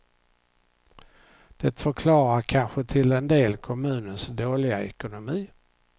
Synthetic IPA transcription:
d̪̥ɛt̪fœɾkʰlɑːɾaɾkʰanɧət̪ʰɪlɛnd̪eːlkʰɔmʉ̟ːnənsd̪oːlɪɡa̰ɛkʊnʊmiː

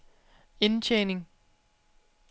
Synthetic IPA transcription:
e̝nt͡ɕʰeːne̝ŋ

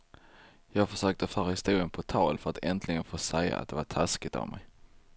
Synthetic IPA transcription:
jɑːɡfœʂøːk̚t̪əfœːɾaɪst̪uːlənpʰɔt̪ʰɑːlfœɾat̪ʰɛnt̪ʰlɪɡənfoːsɛjːa̰a̰t̪̚d̪ɛvaʈʰaskɪt̪a̰vmʔɛ̰j

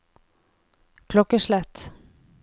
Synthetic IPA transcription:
kʰlɔkːəʂlɛt̪

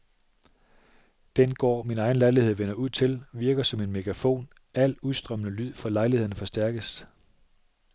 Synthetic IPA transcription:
d̥enɡ̥ɒ̰ːminɑ̈ɪn̩lɑ̈ɪlihe̝ð̞̰ˠʋenɐuð̞̰ˠt͡sʰe̝lʋiɐɡ̥ɐsɒ̽me̝nmeɡ̥ʰæfo̝̰ːn | æl̰uðˠsd̥ʁœmənəlyð̰ˠfɒlɑ̈ɪliheð̰ˠn̩fɒ̽sd̥æɐɡ̥əs

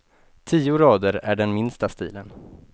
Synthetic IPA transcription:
t̪ʰiːʊɾɑːd̪əɾæɖɛnmɪnst̪ast̪ḭːlən

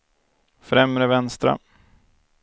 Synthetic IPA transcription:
fɾɛmɾəvɛnst̪ɾa̰

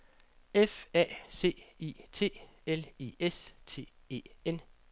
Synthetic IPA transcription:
efɛ̰ːse̝̰ːḭːt͡sʰe̝̰ːeliːest͡sʰe̝̰ː | e̝̰ːen

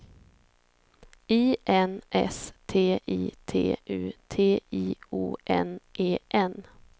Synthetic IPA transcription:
iːʔɛnʔɛ̰st̪ʰeːʔiːt̪ʰḛːʔʉ̟ːt̪ʰeːiːṵːʔɛ̰nʔeːʔɛn

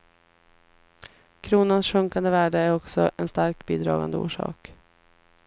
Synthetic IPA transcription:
kʰɾuːnansɧɵŋkand̪əvæːɖəæɾɔksɔʔɛnst̪aɾk̚biːd̪ɾɑ̰ːɡa̰nd̪əṵːʂɑ̰ːk

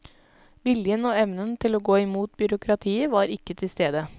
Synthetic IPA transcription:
ʋɪljənoːɛʋnənt̪ʰɪloːɡoːɪmuːt̪̚bʏɾʊkʰɾɑt̪ʰiːəʋɑːɾɪkːət̪ʰɪlst̪eːd̪ə

